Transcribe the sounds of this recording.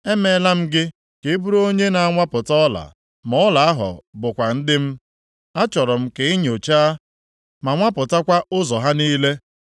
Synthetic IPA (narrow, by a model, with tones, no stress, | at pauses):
e˦me˨˦la˦m̩˦ɡɪ˦ | ke˨˦bu˦ɾo˦ɲe˦na˨a˦ŋʷa˦pʊ˨tɔ˦la̰˨ | mɔ˦la˨a˦ɦɔ̰˨bʊ˨kʷa˨n̩˦dɪ˦m̩˦ | a˦t͡ʃɔ˨ɾɔ˨m̩˦ke˨i˦ɲ˨o˨t͡ʃaː˦ | ma˨ŋʷa˦pʊ˨ta˦kʷa˦ʔʊ˦zɔ˨ɦa˦niː˦le˦